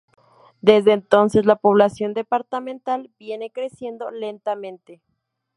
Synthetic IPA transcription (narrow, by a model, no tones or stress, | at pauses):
d̪e̞zðeːnt̪o̞nse̞zlapo̞β̞lasjo̞nd̪e̞paɾt̪amẽnt̪albje̞ne̞kɾe̞sje̞nd̪o̞le̞nt̪amẽ̞nt̪e